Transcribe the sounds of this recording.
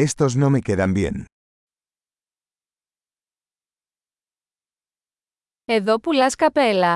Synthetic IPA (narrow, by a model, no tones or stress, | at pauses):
est̪oznomekeðambjḛn | eðopulaskapela